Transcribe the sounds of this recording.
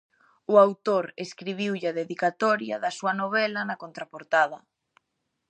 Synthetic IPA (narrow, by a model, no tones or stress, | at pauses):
ʊawt̪oɾeskɾiβiwʎaðeðikat̪ɔɾja̰ðɐsuɐnoβ̞ɛlɐnɐkont̪ɾapoɾt̪aðɐ